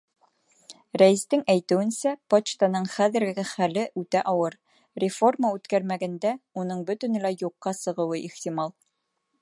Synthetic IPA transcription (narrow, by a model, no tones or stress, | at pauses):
ɾæɘ̆st̪ɘŋæjt̪ɵ̆wɘ̆nsæpot͡ɕt̪ɑnɤɴχæðɘ̆ɾɡɘ̆ɡɘχælɘʔʉt̪æʔɒwɤɾ | rʲɪfo̞rmaʉt̪kæɾmæɡænd̪æunɤɴbɵ̆t̪ɵ̆nɘ̆læjuqːɑsɤ̆ʁɤ̆wɤʔiχt̪imɑlˠ